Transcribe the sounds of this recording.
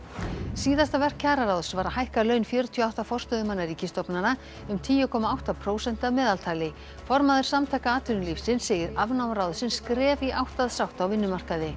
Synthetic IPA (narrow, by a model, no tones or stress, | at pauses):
siːðast̪avɛr̥kʰːaːɾaɾawðsvaɾahajhkalœːɥnfjœːɾʏt̪ʰiɔawht̪afɔr̥st̪œðʏmanːaɾiːcɪst̪ɔpnana | ʏmt̪ʰiːjʏkʰɔːmaawht̪apʰɾoːwsɛn̥t̪avmɛːðalt̪ʰaːjlɪ | fɔɾmaðʏɾ̥samt̪ʰajkaaːt̪ʰʏnʏlifsɪnsɛːjɪɾavnawmɾawðsɪnskɾɛːviʔawht̪aðsawht̪awvɪnːʏmar̥kaðɪ